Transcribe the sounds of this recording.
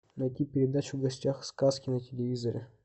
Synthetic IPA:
nɐjtʲipʲɪɾʲɪd̪at͡ɕʊvɡɐsʲtʲaxskaskʲɪnətʲɪlʲɪvʲizəɾʲɪ̰

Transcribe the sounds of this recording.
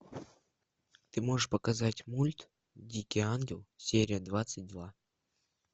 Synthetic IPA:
t̪ɨmo̞ʐɨʂpəkazatʲmulʲt̪ | dʲikʲijanɡʲɪlˠsʲeɾʲɪjəd̪vat̪sɨt̚ʲd̪va

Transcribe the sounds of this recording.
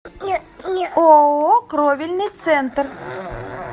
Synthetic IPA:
okɾɔvʲilʲnɨt̪sɛnt̪r

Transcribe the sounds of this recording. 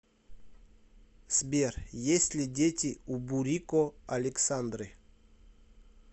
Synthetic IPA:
sʲbʲerjesʲlʲɪdʲetʲɪubuɾʲikoɐlʲɪksand̪ɾɨ

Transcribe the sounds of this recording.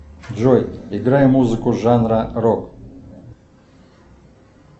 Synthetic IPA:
d͡ʒojɪɡɾajɛmuzɨkʊʐanɾɐrok

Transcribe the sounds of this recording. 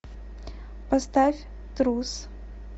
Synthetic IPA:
past̪afʲ | t̪ɾus

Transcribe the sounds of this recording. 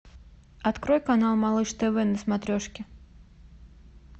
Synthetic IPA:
at̪kɾɔjkanalˠmalˠɨʂt̪ɛvɛnəsmat̪ɾʲɔʂkʲɪ

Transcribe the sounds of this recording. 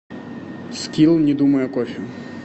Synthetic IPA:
skʲilˠnʲid̪umɐjɛkɔʃʲɪ

